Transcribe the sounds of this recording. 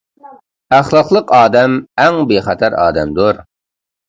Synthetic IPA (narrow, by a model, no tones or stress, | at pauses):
æχlˠɑqlˠəqɑːd̪ɛmɛŋbeχɛt̪ʰæɾɑ̰ːd̪ɛmd̪uɾ